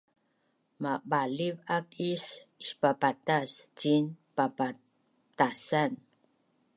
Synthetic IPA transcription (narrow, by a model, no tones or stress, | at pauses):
maɓalivak̚isiʃpapat̪asd͡ʒinpapa | t̪asan